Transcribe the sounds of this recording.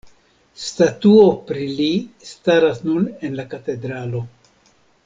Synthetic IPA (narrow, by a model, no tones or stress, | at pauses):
statuo̞pɾilistaɾasnune̞nlakate̞dɾalo̞